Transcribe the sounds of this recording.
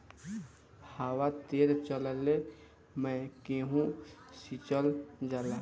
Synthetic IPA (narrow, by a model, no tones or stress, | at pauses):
haːwat̪eːɾt͡ʃələle | mɛ̃keɦũsit͡ʃəld͡ʒaːla